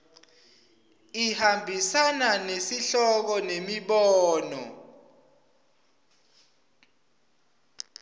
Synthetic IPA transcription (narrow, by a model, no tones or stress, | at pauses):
ihambʱisananesiɬɔk̬ɔnemiɓɔːnɔ̰